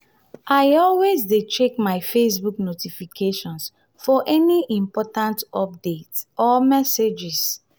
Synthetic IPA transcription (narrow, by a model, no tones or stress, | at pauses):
ʔajɔlwezdet͡ʃekmaɪfes̬buknotifikʰeʃɔ̃ns | fɔʔɛniʔĩmpɔtãntɔp̚detsɔmɛsed͡ʒis